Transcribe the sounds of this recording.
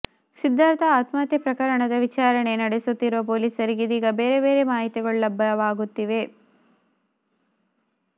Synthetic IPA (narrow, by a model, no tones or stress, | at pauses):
sid̪ʱːaːɾt̪ɐaːt̪maːt̪jɐpɾɐkɐɾɐɳɐd̪ɐʋit͡ʃaːɾɐɳenɐɽesut̪ːiɾuʋɐp̬o̞ːliːsɐɾiɡid̪iːɡɐbeːɾebe̞ːɾe̞maːɦit̪iɡɐɭulɐbʱːɐʋaːɡut̪ːiʋe̞